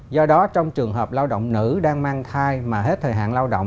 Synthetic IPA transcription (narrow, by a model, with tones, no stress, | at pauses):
zɔ˧ɗɔ˨˦t͡ɕɔ˧wŋ͡mt͡ɕɨ˨˩əŋɦəː˨˩p̚laː˧wɗo̰˧˨wŋ͡mnɨ̰˧˥ɗaː˧ŋmaː˧ŋt̪ʰaː˧jmaː˨˩ɦe˦˥t̚t̪ʰəː˨˩ɦa̰ː˧˨nlaː˧wɗo̰˧˨wŋ͡m